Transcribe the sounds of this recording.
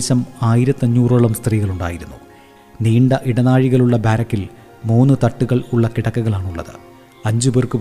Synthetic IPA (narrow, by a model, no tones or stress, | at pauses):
ɕɐmaːjiɾɐt̪ːɐɲːuːroːɭɐmst̪riːɣɐɭuɳɖa̰ːjiɾunːu | niːɳɖɐʔiɽɐnaːɻiɣɐɭuɭːɐbaːɾɐkːil | muːnːɨt̪ɐʈːuɣɐɭuɭːɐkiɽɐkːɐɣɐɭaːɳuɭːɐ̰ðɨ̰ | ɐɲd͡ʑuberkɨp